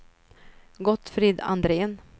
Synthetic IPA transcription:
ɡɔt̪ːfɾiːd̪a̰nd̪ɾeːən

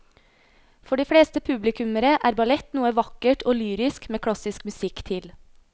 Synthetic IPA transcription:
fɔɖiːfɽeːst̪əpʰʉblɪkʉməɾəʔæːɾbɑlɛt̪nuːəʋɑkəʈʰoːlyːɾɪskmeːkʰɽɑsɪskmʉsɪkt̪ʰɪl

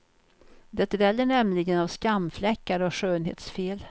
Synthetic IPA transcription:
d̪ɛt̪vɛlːəɳɛmlɪɡənavskamflɛkːaɾɔʂøːnɦḛːt̪sfeːl

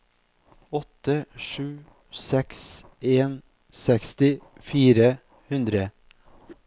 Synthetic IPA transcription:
ɔt̪əʂʉː | sɛks | eːn | sɛkst̪ɪfiːɾə | hʉnd̪ɾə

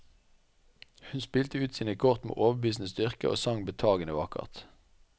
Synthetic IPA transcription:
hʉnspiːlt̪əʉːt̪siːnəkʰɔʁt̪mḛːʔoːʋəbiːsn̩əstd̪ʏʁkəʔo̰ːsɑŋbet̪ʰɑːɡənəʋɑkə̰ʁt̪

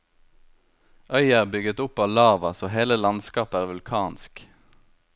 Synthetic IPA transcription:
ʔœʏæːʁbʏɡət̪ʊpɑːʋlɑːʋɑsoːheːləlɑnskɑːpəæːʁʋʉlkʰɑːnsk

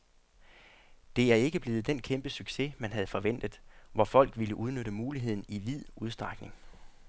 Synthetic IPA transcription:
d̥e̝æɐe̝ɡ̥əb̥le̝ːð̞̩ˠd̥enkʰemb̥əsyɡ̥se̝mænɦæð̞̩ˠfɒ̽ʋen̰d̥ð̩ˠʋɒfɒ̽l̰ɡ̥ʋiləʔuðˠnøɾ̥əmuːliɦe̝ð̰ˠn̩iʋið̰ˠuð̞ˠsd̥ʁɑɡ̥ne̝ŋ

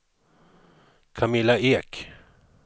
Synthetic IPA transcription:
kʰamɪlaeːk

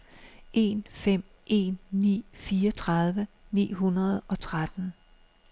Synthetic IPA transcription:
e̝̰nfem̰ | ʔe̝̰ːnːḭːfiːɒt͡sʰʁɑð̞ˠʋənḭːɦunɐð̞ˠɒ̽t͡sʰʁad̥n̩

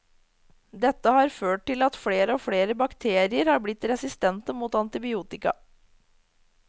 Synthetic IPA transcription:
d̪ɛt̪ːəhɑːɾføːʈ̚ʈɪlɑt̪fleːɾəoːfleːɾəbɑkt̪ʰeːɾɪəɾhɑːɾblɪt̪ɾɛsɪst̪ɛnt̪əmuːt̪ɑnt̪ɪbɪuːt̪ɪkɑ̰

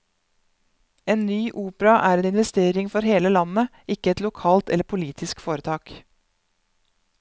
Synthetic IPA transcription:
eːnnyːʔuːpəɾɑʔæːɾeːnɪnʋɛst̪eːɾɪŋfɔɾheːləlɑnːə | ɪkːəɛt̪lʊkʰɑːlt̪ɛ̰lːəɾpʰʊliːt̪ʰɪskfoːɾət̪ʰɑːk

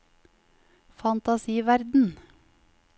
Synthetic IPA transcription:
fɑnt̪ɑsiːʋæɾd̪n̩

